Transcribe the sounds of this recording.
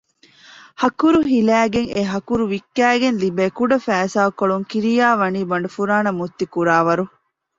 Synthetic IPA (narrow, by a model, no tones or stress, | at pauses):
hɐkuɾuɦilæːɡeŋeɦɐkuɾuʋikːæːɡenlibeːkuɖɐfæːsaːkoɭuŋkiɾijaːʋɐniːbɐɳɖɐfuɾaːnɐmut̪ːikuɾaːʋɐɾu